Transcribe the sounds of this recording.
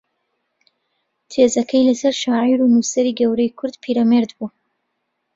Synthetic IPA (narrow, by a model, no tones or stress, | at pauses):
t̪ʰezɐkʰɐjlɐsɐɾʃaːʕiɾunusɐɾiːɡɐwɾɐjkʰʊɾd̪pʰiɾɐmeɾd̪bu